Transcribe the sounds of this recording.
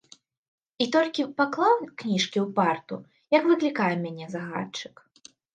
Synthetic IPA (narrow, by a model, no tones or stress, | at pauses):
it̪ɔlʲkʲipaklˠawknʲiʂkʲiwpart̪ṵ | jɐkvɨklʲikajɛmʲanʲɛzaɣa̰t͡ʂɨ̥k